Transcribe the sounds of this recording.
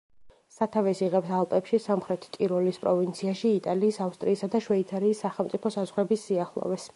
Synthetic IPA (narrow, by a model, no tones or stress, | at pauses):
sat̪ʰavɛsiʁɛpsalˠp̪ʼɛpʃisamχɾɛt̪ʰt̪ʼiɾɔlispʼɾɔvint̪sʰiaʃiːt̪ʼaliːsafst̪ʼɾiːsad̪aʃwɛit̪sʰaɾiːsːaχɛlˠmt̪sʼipʰɔsazʁɾɛbisːiaχlˠɔ̰vɛs